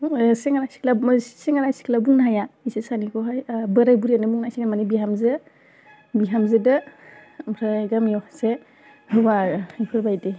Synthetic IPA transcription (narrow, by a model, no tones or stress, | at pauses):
seŋaɾajsi̥klasseŋaɾajsi̥klabuŋnaɦajaisesanikʰɔɦajbɯɾajbuɾianɯmuŋnajsiŋamanibiɦamzɯ | biɦamzɯdɯ | mɾaɡamjɔse | hɯbaɾipʰɯɾbajde